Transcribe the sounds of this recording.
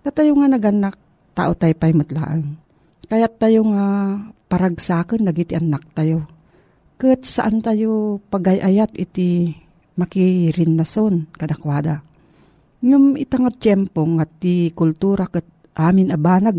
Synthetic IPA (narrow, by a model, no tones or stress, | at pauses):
t̪at̪ajoŋanɐɡanak̚ | t̪a̰ːʔot̪ajpajmʊt̪la̰ːʔan | kɐjat̪ːajoŋapaɾaɡsaːkɪnːaɡit̪ɪʔanːak̚t̪ajo | kɨt̪̚saʔant̪ajopaɡajʔajat̪ɪt̪i | mɐkiɾɪnːasonkɐd̪akwaːd̪a | jʊmɪt̪aŋat͡ʃɛmpoŋat̪ikʊlt̪uɾakɨt̪̚ | ʔaːmɪnabaːnaɡ̚